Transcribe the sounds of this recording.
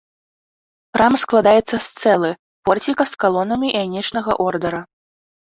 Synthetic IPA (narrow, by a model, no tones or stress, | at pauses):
pɾamsklˠad̪ajɛt̪sːɐst̪sɛlˠɨ | pɔrt͡sʲikɐskalˠɔnɐmʲiʔanʲɛt͡ʂnɐɣɐ̰ʔɔrd̪ɐɾɐ